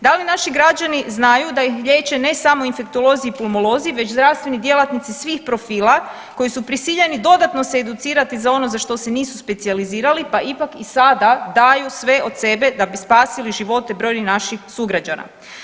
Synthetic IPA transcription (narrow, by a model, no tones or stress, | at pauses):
d̪alinaʃiɡɾad͡ʒaniznajud̪aixʎeːt͡ɕe̞ne̞samo̞infe̞kt̪o̞lo̞ziipulˠmolo̞ziiʋe̞t͡ʃzd̪ɾaʋst̪ʋenid̪je̞lˠat̪nit̪sisʋiːxpɾo̞fiːla | ko̞jisupɾisiʎe̞nid̪o̞d̪at̪no̞seːd̪ut̪siːɾat̪izao̞no̞zaʃt̪o̞se̞niːsuspe̞t̪sializiːɾalipaʔipakisad̪ad̪ajusʋe̞ʔod̪se̞be̞d̪abispaːsiliʒiʋo̞t̪e̞bɾo̞jninaʃixsuɡɾad͡ʑana̰